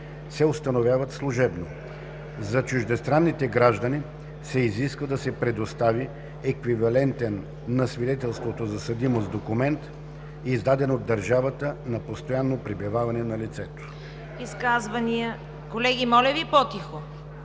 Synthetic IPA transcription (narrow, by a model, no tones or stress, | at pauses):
sɛʊst̪ɐnovʲjavɐt̪slˠʊʒɛbno | zɐt͡ʃuʒd̪ɛst̪ɾanːit̪ɛɡɾaʒd̪əni | sɛiziskvəd̪ɐsɛpɾɛd̪ost̪avi | ɛkvivɐlɛnt̪ɛnː | ɐsvid̪ɛt̪ɛlˠst̪vot̪ozɐsɐd̪imozd̪okumɛnt̪ | izd̪ad̪ɛnod̪ːɐɾʒavət̪ənɐpost̪ojanːopɾibivavɐnɛnɐlit̪sɛt̪o̥ | iskazvɐnʲijə | kolɛɡʲimɔlʲəvipɔt̪ixo